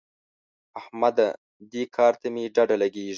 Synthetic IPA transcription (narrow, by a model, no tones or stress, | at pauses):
ahmad̪a | d̪ikʰɑːɾt̪amiɖaɖalaɡeːʐ